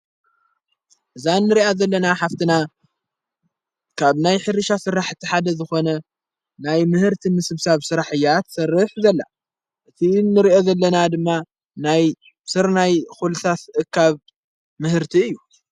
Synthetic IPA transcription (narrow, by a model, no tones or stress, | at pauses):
ʔɨzanːɨɾiʔazɐlːɐnaħaft̪ʰɨna | kʰaβnajħɨrɨʃasɨraħt̪ʰiħad̪ɐzɨxo̞nɐ | najmɨhɨɾt̪ʰimɨsɨβsaβsɨɾaħɨjːat̪sɐrːɨħzɐlːa | ʔɨt̪ʰinːɨɾiʔo̞zɐlːɐnad̪ɨmːa | naj | sɨɾnajxulɨsʰat̪ʔɨkʰːaβ | mɨhɨɾt̪ʰiɨjːu